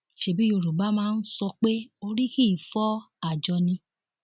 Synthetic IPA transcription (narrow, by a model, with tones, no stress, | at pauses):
ʃe˨˦˨bi˨˦jo˨ɾo˨ba˨˦mãː˦˧n̩˦sɔ˧k͡pe˦o˧ɾi˦ki˦˨fɔ˦ | a˦˨d͡ʒɔ˧nĩ˧